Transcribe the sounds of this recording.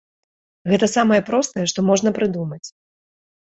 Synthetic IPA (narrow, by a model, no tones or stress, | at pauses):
ɣɛt̪ɐsamɐjɛpɾɔst̪ɐjɛʂt̪ɔmɔʐn̪ɐpɾɨd̪umɐt͡sʲ